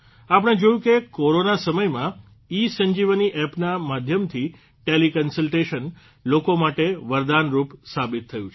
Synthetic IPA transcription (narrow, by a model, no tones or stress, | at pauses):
apəɽ̃ed͡ʒojũkekoɾonasəməjmã | isəɲd͡ʒiʋəniʔɛpnamad̪ʱjəmt̪ʰi | ʈelikənsəlʈeʃən | lokomaʈeʋəɾd̪anɾupsabit̪ʰːəjũt͡ʃʰ